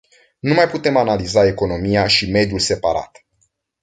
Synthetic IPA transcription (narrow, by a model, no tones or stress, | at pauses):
numajput̪e̞manalizae̞ko̞no̞mijaʃime̞d̪julse̞paɾa̰t̪